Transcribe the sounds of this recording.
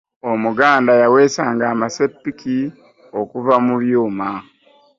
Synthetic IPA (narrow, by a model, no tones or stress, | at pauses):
omuɡaːndajawe̞ːsaːŋɡaːmase̞pːiki | okuvamuβjuːma